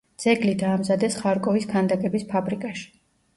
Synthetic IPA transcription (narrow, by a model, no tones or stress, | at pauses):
d̪z̥ɛɡlid̪aːmzad̪ɛsχaɾkʼɔiskʰand̪akʼɛbispʰabɾikʼaʃi̥